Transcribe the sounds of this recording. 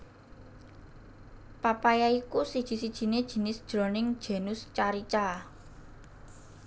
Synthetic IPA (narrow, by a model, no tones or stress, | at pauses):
papajaikusid̥ʒ̥i̤sid̥ʒ̥i̤ned̥ʒ̥i̤nɪsd̥ʒ̥ɾonɪŋd̥ʒ̥e̤nʊst͡ʃaɾit͡ʃa